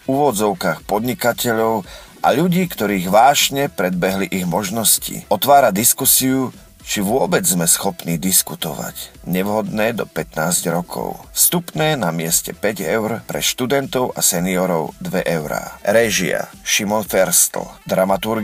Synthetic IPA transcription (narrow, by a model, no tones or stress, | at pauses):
uʋɔd͡zɔʊkaːxpɔd̪ɲikacʰɛʎɔʊ | ʔa̰ʎuɟiːkt̪ɔɾiːɣʋaːʒɲɛpɾɛd̪̚bɛɦliʔiɣmɔʒnɔscḭɔt̪ʋaːɾad̪iskusiu | t͡ʃiʋʊɔbɛd͡zzmɛsxɔpniːd̪iskut̪ɔʋa̰cɲɛʋɦɔd̪nɛːd̪ɔpɛt̪naːzɟɾɔkʰɔ̰ʊfst̪upnɛːnamɪɛscɛpɛɟɛʊɾpɾɛ̰ʃt̪ud̪ɛnt̪ɔʊasɛniɔɾɔʊd̪ʋɛʔɛʊɾa̰ːɾɛʒia̰ʃimɔnfɛɾst̪l̩d̪ɾamat̪uɾɡ